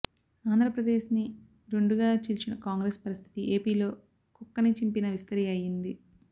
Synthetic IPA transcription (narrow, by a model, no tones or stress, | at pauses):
aːnd̪ʱɾɐpɾɐd̪e̞ːʃni | ɾe̞ɳɖuɡaːt͡ʃilt͡ʃinɐkaːŋɡɾeːspɐɾist̪ʰi̥t̪iʔe̞ːpiːlo̞ː | kukːɐnit͡ʃimpinɐʋist̪ɐɾiɐjind̪i